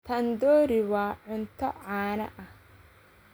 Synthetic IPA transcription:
t̪ʰɐnd̪ɔːɾɪwɑːʕʊnt̪ʰɔʕaːnɐ̰ʔɐh

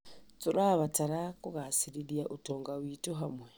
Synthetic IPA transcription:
t͡suɾaβataɾakuɣasiɾiɾjaʔutɔːŋɡawiːtuɦamwɛ

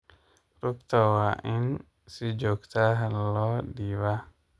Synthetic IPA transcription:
ɾuk̚t̪awaʔin | sid͡ʒɔkt̪aɦalɔdiwa

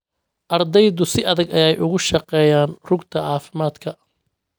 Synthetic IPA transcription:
ʔɐrd̪ɛjðʊsɪʔɐðɐɡɐjɛjʔʊɣʊʃɑqɛːjaːnrʊɡt̪ʰɐʕɑːfɪmaːd̪kʰɐ

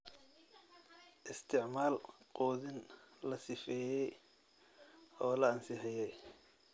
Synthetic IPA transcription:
ʔɪst̪ʰɪʕmaːlqɔːðɪnlɐsɪfɛːjɛj | ʔɔːlɐɐnsɪħɪjɛj

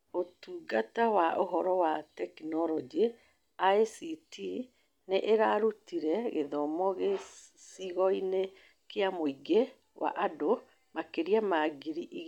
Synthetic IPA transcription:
otuɡatawaʔoɦɔɾɔwatɛkinɔɾɔd͡ʒi | aesiti | neʔeɾaɾutiɾɛɣeðɔmɔɣesiɣɔine | keamoiɡe | wa̰ʔado | makeɾiamaɡiɾiʔiɣ

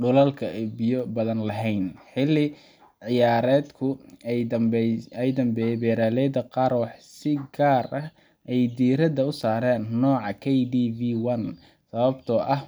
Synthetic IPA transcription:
ɖʊlɐlkʰɐɛbɪjɔbɐðɐnlɐɦɛjnħɪlːɪ | ʕɪjaːɾɛːd̪kʰʊ | ɛjd̪ɐmbɛjɛbɛːɾaːlɛːd̪ɐqɑːɾwɑħsɪɡaːrʔɐh | ʔɛjd̪iːɾɐd̪ɐʊsaːɾɛːnːɔːʕɑkʰɛjdiːviːwɐn | sɐβɐbt̪ʰɔʔɐh

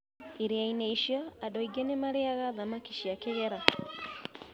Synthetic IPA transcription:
eɾeaineiʃjɔadɔiɡɛnemaɾeaɣaðamakiʃiakeɣɛɾa

